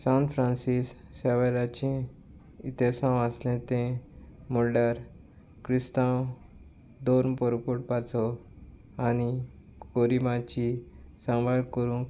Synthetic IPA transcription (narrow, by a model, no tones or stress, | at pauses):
sãwnfɾãnsisː | ɛʋaɾat͡ɕẽ | it̪esãwaslẽt̪ẽmɔlɖəɾ | kɾist̪ãw | d̪onpɔɾupoʈ̚pat͡sɔ | añi | ɡoɾimat͡ɕisãŋʋaɭkəɾũk